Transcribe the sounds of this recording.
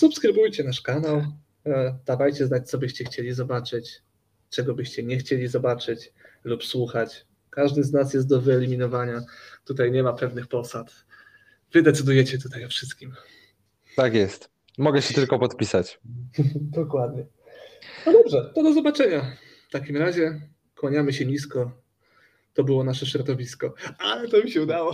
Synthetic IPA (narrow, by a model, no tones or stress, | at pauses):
supskɾɘbujt͡ɕɛnaʂkanaw | d̪avajt͡ɕɛznat͡ɕʲt̪sɔbɘɕt͡ɕɛxt͡ɕelʲizɔbat͡ʂɘt͡ɕ | t͡ʂɛɡɔbɘɕt͡ɕɛɲɛxt͡ɕelʲizɔbat͡ʂɘt͡ɕlupswuxat͡ɕ | kaʐd̪ɘznasjɛs̬t̪̚d̪ɔvɘɛlʲimʲinɔvaɲat̪ut̪ajɲɛmapɛvnɘxpɔsat̪ | v̥ɘd̪ɛt̪sɘd̪ujɛt͡ɕɛt̪ut̪ajɔfʂɘst̪̚kʲim | t̪akjɛst̪ | mɔɡɛɕɛt̪ɘlkɔpɔt̪pʲisat͡ɕ | d̪ɔkwad̪ɲɛ | nɔd̪ɔbʐɛt̪ɔd̪ɔzɔbat͡ʂɛɲa | ft̪akʲimɾaʑɛ | kwɔɲamɘɕɛɲiskɔ | t̪ɔbɘwɔnaʂɛɕɾɔd̪ɔvʲiskɔalɛt̪ɔmʲiɕɛud̪awɔ